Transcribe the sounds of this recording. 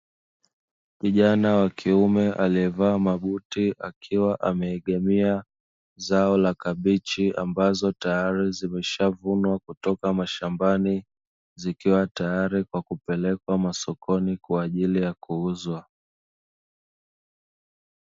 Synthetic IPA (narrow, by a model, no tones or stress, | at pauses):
kiʄanawakʰiumɛʔaliɛvaːmaɓutiʔakʰiwaʔamɛiɠɛmia | zaɔlakaɓit͡ʃia̰mbazɔtajaɾizimɛʃavunwakutɔkamaʃambani | zikiwatajaɾikwakupɛlɛkwamasɔkʰɔnikwaːʄilijakuuzwa